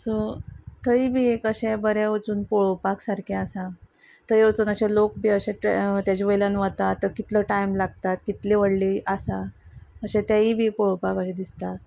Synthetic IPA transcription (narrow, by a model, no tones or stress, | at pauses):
sot̪əibʱiːekəɕebəɾaʋət͡suːnpoɭopaksaɾkʰeasa | t̪əjʋət͡suːnəɕelok̚bʱiːəɕeʈt̪jat͡ɕiʋəjljanʋat̪at̪ːəɾkit̪ləʈaimlaɡt̪at̪̚kit̪leʋəɽliʔəsaəɕet̪jaiːbʱiːpoɭopakəɕẽd̪ist̪at̪